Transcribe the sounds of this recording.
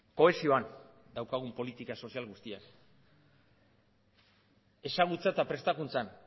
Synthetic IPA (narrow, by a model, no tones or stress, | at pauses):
ko̞e̞sio̞an | d̪awkaɣ̞umpo̞lit̪ikaso̞sialɣust̪ia̰n | e̞saɣ̞ut͡sat̪apɾe̞st̪akunt͡san